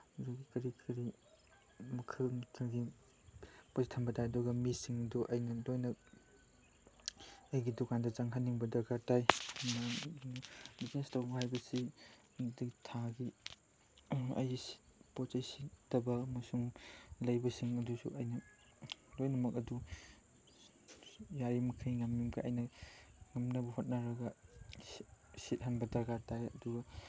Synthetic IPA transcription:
zuɡikɐɾikʰɐɾi | mɐkʰɐlmɐtʰɐɡi | pɐzitʰɐmbɐtʰajɐduɡɐmisiŋɐduʔɐjnɐlojnɐk̚ | ɐjɡidukandɐzaŋɦanːiŋbɐdɐɡatajnɐnbiznestawɡɐhajbɐsi | ditʰaɡi | ɐ̰jisi̥pɔt͡ʃajsiktɐbɐmɐsuŋlɐjbɐsiŋɐdusṵʔɐjnɐ | lojnɐmɐk̚ɐdu | jaɾimɐkʰɐjŋamjumɡɐʔɐjnɐŋɐmnɐbɐhot̚naɾɐɡɐ | sit̚ɦanbɐdɐɡatajɐ̰duɡɐ

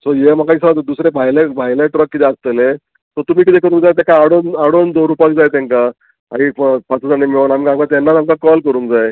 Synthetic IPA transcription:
sɔjeməkaisat̪d̪usɾebʱajlebʱajlẽʈɾəkːit̪ɛast̪ele | tɔɾt̪um̤iːk̬it̪ekəɾuːnd͡zajt̪ẽkaaɽonaɽond̪oɾupak̚d͡zajt̪ãŋka | a̰ippat͡səd͡zaɳemeʋənamkamkat̪anːatamkakɔlkəɾuːnd͡zaje

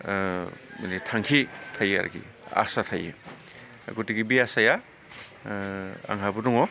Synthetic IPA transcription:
mnetʰaŋkʰitʰaja̰ɾʔa̰ɡḭ | a̰satʰajɯ̰ | a̰ɡutiɡibiasaja | a̰ŋɦabudɔŋɔ

